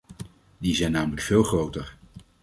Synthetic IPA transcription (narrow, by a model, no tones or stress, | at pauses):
dizɛjnaːmələkfɪːlˠχrowtəɹ